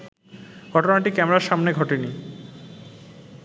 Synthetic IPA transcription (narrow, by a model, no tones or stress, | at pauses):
ɡ̥ʱɔʈonaʈikɛmeɾaɾʃamneɡʱɔʈeni